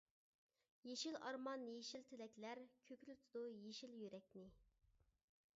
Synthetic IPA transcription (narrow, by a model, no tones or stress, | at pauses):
jeʃilɑɾmɑnjeʃilt̪ʰelɛkʲlæɾkʲʰøkʲlyt̪ʰud̪ujeʃiljyɾɛk̚ʲnɪ